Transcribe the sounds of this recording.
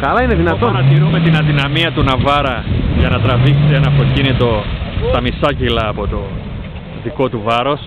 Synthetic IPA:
kɐlɐineðinɐt̪onɐt̪iɾume̞t̪inɐðinɐmiɐt̪unɐvɐɾɐʝɐnɐt̪ɾɐviksenɐpo̞cinit̪o̞st̪ɐmisɐcilɐːpo̞t̪o̞ | ðiko̞t̪uvɐɾo̞s

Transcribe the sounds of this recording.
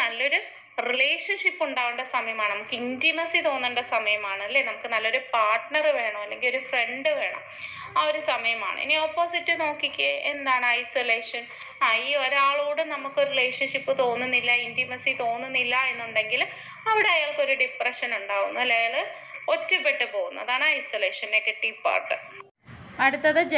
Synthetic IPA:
nɐlːo̞ɾu | rileːʂɐnʂipːuɳɖaːɣuɳɖɐsɐmɐjɐmaːɳɨnɐmukːɨindimɐsit̪o̞ːnːuɳɖɐsɐmɐjɐmaːɳɨɐlːe̞ːnɐmukːɨnɐlːo̞ɾupaːrʈɳɐrɨʋe̞ːɳɐmɐlːe̞ŋɡilo̞ɾufre̞ɳɖɨʋe̞ːɳɐ̰m | ɐo̞ɾusɐmɐjɐma̰ːɳɨ̰ḭniopːoːsitːɨno̞ːkːikʲːɐend̪aːɳɨɐjsoleːʂɐn | aiːo̞ɾaːɭuːɽɨnɐmukːɨoɾurile̞ːʂɐnʂipːɨt̪o̞ːnːunːilːɐindimɐsit̪o̞ːnːunːilːɐe̞nːuɳɖe̞ŋɡil | ɐʋiɽe̞ɐjaːɭko̞ɾuɖiprɐʂɐnuɳɖaːɣunːuɐlːeːjaːɭɨ | o̞tːupːeʈːɨpo̞ːɣunːɐðaːɳaːɐjsoleːʂɐnnekːeʈːiːpa̰ːrʈːɐ̰r | ɐɽut̪ːɐðɨd͡ʑ

